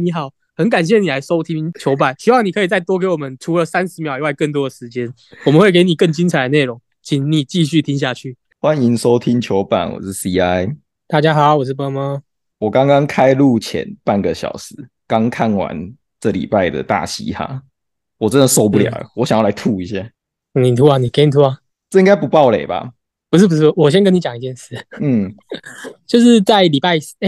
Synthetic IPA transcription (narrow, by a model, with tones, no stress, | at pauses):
ni˨˧˥xɑ˨˩˦ʊ | hə˨˦nk̬a˨˩nɕ̬jɛ˥˩ni˨˩la˧˥ɪʂo˥ʊt̪ʰi˥ŋt͡ɕʰjo˧˦˥ʊp̬a˥˨˩nɕi˥wɑ˥˩ŋni˨˩kʰɤ˧˥i˨˩t͡sa˥˩ɪt̪wɔ˥k̬e˧˥ɪwɔ˨˩mə˦nʈ͡ʂʰu˧˥lə˨sa˥˦nʂɻ̩˧˥mjʊi˧˦wa˥˧ɪkə˥˩nt̪wɔ˥d̪ə˨ʂɻ̩˧˦t͡ɕjɛ˦n | ɔ˨mə˦nxwe˥˩ɪke˧˥ɪni˨˩kə˥˩ŋt͡ɕi˥nt͡sʰa˨˥ɪd̪ə˨˦ne˥˩o˧˦ŋ | t͡ɕʰi˨˩ŋni˨˩t͡ɕi˥˧ɕ̬y˥˨t̪ʰi˦˥ŋɕ̬ja˥˧t͡ɕʰy˥˩ | xwa˦ni˦ŋso˦ʊt̪ʰi˦˥ŋt͡ɕʰjo˧˥ʊpa̰˨˩nwɔ̰˨˩ʂɻ̩˥˩si˦a˦ɪ | t̪a˥˩t͡ɕja˥xɑ˨˩˦ʊwɔ˨˩ʂ̬̩˥˩pa˥ma˥ | wɔ˨˩kɑ˦ŋkɑ˦ŋkʰa˦ɪlu˥˩t͡ɕʰjɛ̰˧˦npa˥˩nɡə˨ɕjɑ̰˨˩ʊʂɻ̩˧˦ | kɑ˦˥ŋkʰa˥˩nwa̰˧˦n | ʈ͡ʂə˥˩lḭ˨˩pa˥˩ɪd̪ə̰˩t̪a̰˥˩ɕḭ˧˥xa̰˨˩˦ | wɔ˨˩t͡sə˦nd̪ə˨so˥ʊp̬u˥˩ljɑ̰˩˨˩wɔ˧˦ɕjŋjla˧˥ɪt̪ʰu˥˧i˥˧˩ɕja˥˧˦ | ni˨˩t̪ʰu˥a˨ni˨˩ke˧˥ni˨˩t̪ʰu˥a˨˧ | t͡sɤ˥˩i˥ŋɡa˥ɪp̬u˧˥pɑ˥˩ʊle˨˩ba̰˨ | pu˧ʂ̬ɻ̩˥˩p̬u˧ʂ̬̩˥˩˧wɔ˨˩ɕ̬ɛ˦nk̬ə˥ni˧t͡ɕa˨˩ŋi˧˦tjɛ˥˧nʂɹ̩˥˩˨n̩˥˩ | t͡ɕjo˥˧ʊʂɻ̩˥˧t͡sa˥˩ɪli˨˩pa˥˩ɪ˥˧